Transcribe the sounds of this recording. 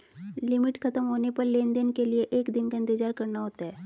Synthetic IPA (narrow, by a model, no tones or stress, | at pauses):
limiʈkʰət̪əmɦonepəɾlend̪ənkelijeʔekd̪inkə̃nt̪id͡ʑaɾkəɾɳaɦot̪a